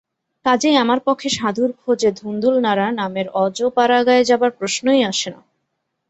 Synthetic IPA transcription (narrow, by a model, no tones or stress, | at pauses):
kad͡ʑeamaɾpɔkʰːeʃad̪ʱuɾkʰod͡ʑed̪ʱund̪ulnaɾanameɾɔd͡ʑopaɾaɡaed͡ʑabaɾpɾosnojaʃena̰